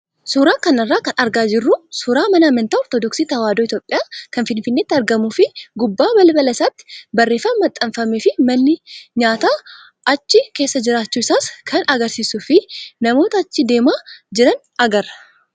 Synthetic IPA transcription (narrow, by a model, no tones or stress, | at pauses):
suːɾaːkɐnɐrːaːkɐnʔɐɾɡaːd͡ʒɪrːusʊːɾaːmɐnaːmɐnt̪aːɔɾt̪oːd̪ɔksiːt̪ɐwaːd̪oːɪt̪jo̞ːpʼːɪjaːkɐnfɪnfɪnːeːt̪ːɪɐɾɡɐmuːfɪɡʊbːaːbɐlɐbɐlɐsaːt̪ːɪ̥bɐrːe̞ːfɐmːɐt̪ʼːɐɱfɐmeːfɪmɐnːɪɲaːt̪aː | ʔɐt͡ʃːɪke̞ːsːɐd͡ʒɪɾaːt͡ʃːuːɪsaːskʰɐnɐɡɐɾsiːsʊfɪnɐmo̞ːt̪ɐːt͡ʃːɪd̪e̞ːmaːd͡ʒɪɾɐn | ɐɡɐɾɐ̥